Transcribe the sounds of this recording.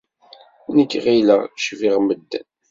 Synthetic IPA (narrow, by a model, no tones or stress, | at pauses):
nəkːʁiləʁʃviʁməd̪ːæn